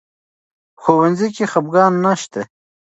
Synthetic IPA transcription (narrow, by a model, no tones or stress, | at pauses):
xowanzikixabɡɑːnːaʃt̪e